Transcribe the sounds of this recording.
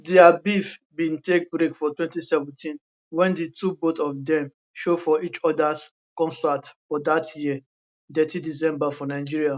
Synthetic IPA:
diabifbĩntek̚bɹekfɔtwɛ̃ntisɛvɛ̃ntʰĩn | wɛ̃nditʰubotɔfdɛ̃m | ʃofɔʔit͡ʃɔdas | kɔ̃nsatfɔdatji | dɛtidis̬ɛ̃mbafɔnaɪd͡ʒiɹia

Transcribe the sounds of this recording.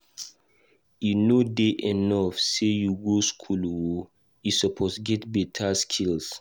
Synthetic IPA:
junodeʔenɔfsejuɡoskʰulwo | jisɔpʰosɡɛtbɛtʰaskʰils

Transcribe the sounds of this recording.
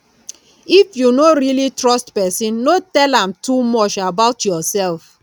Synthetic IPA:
ifjunoɹilitɹɔstpɛsĩnːotɛlãmtumɔt͡ʃabaʊtʰjɔsɛlf

